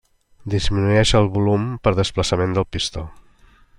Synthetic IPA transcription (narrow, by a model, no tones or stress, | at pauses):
d̪izminuɛʃəlˠβulumpəɾðəspləsəmend̪əlˠpist̪o